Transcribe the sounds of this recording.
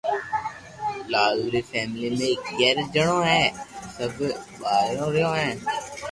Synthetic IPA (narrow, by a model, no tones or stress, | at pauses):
laːɡɾiːfʰɛːmɪliːmẽːɪkɡɛːɾd͡ʒəɳ̃õːɦɛ̃ːsəbɓaːjõːɾɪjõːɦɛ̃ː